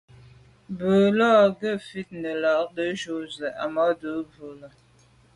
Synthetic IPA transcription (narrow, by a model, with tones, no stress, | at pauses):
bə˨lɔ˦˨ɡə˦˨fi˦˨t̚nə˨la˨ʔ̚də˦ʒo˦˨zə˨ʔa̰˨mɔ˦də˨˦və˨lə˨